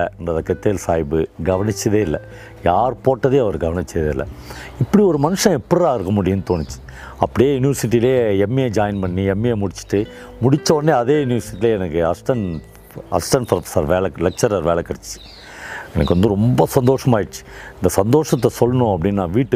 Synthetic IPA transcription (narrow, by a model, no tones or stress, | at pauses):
ɛndrɐðɐkɛt̪ːeːlsaːjbɯɡɐʋɐnɪt͡ʃːɐðeːɪlːɐ̰ | jaːɾpoːʈːɐðeːɐʋɐɾɡɐʋɐnɪt͡ʃːɐðeːɪlːɐ̰ɪpːɐɽiɔɾɯmɐnɯʂɐ̃ɛpːɐɾɐaːɪɾɯkːɐmʊɽɪjɐnːɯt̪oːnɪt͡ʃːɯ̥ | ɐpːɐɽijeːjʊnɪʋɐɾsɪʈ̬ːileːɛmːied͡ʒaːjɐnpɐɳːiɛmːieːmʊɽɪt͡ʃːɯ̥ʈːɯ | mʊɽɪt͡ʃːɐʋɐnːeɐðeːjʊnɪʋɐɾsɪʈːileːɛnɐkːɯɐsʈɐn | ɐsʈɐnpɾɐfɐ̥sɐɾʋeːlɐlɛk̚t͡ʃɐɾɐɾʋeːɭɐkɐɽɐt͡ʃːɯ̥t͡ʃːɯ̥ | ɛnɐkːɔnd̪ɯɾɔmbɐsɐnd̪oːʂɐmaːjɪɽt͡ʃːɯ̥ɪnd̪ɐsɐnd̪oːʂɐt̪̬ːɐsɔlːɐnʊ̃ɐpːɐɽɪnːnãːʋiːʈːɯ